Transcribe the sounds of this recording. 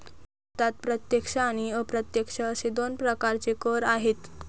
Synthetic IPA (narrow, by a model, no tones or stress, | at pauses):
t̪at̪̚pɾət̪jekʂaaɽ̃iəpɾət̪jəkʂəəsed̪onpɾəkaɾt͡sekəɾaɦet̪